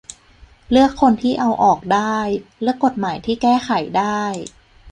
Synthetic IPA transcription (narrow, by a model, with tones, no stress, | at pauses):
lɯ˥˩əkʰːo˧nt̪ʰiː˥˩ʔa˧wʔɔː˨˩k̚daː˥˩jlɯ˥˩əkːo˨˩t̪̚maː˩˦jt̪ʰiː˥˩kɛː˥˩xʰa˨˩˦jdaː˥˩j